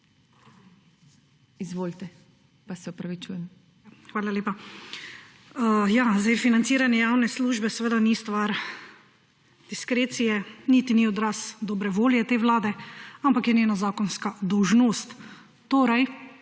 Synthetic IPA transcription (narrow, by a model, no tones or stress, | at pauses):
izʋoːlt̪ɛ | pasɛupɾaʋit͡ʃuːjɛm | xʋaːlaleːpa | jazd̪ajfinant̪siːɾanjɛjaːwnɛsluːʒbɛsɛʋeːd̪anist̪ʋaɾ | d̪̥iskɾeːt̪sijɛnit̪iniɔd̪ɾasd̪ɔːbɾɛʋoːljɛt̪eːʋlaːd̪ɛampakjɛnʲeːnazaːkɔnskad̪ɔwʒnoːst̪ː | oːɾaj